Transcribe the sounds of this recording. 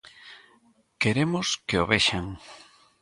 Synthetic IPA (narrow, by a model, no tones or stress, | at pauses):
keɾemʊskeoβeʃaŋ